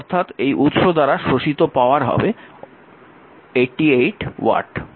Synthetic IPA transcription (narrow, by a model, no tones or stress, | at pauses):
ɔɾt̪ʰat̪ejʔut̪ʃod̪aɾaʃɾoʃit̪opaoaɾɦɔ̰be | eʈːiejʈwa̰ʈ